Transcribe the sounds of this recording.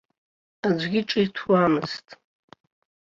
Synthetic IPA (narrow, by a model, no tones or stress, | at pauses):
ad͡ʒʷɡʲɪʈ͡ʂʼiitʰamɨstʼ